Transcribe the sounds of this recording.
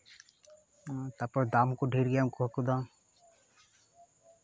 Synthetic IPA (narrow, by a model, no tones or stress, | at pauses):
t̪apəɾd̪aːmkoɖʱiːɾɡjakuɦɐkud̪ãː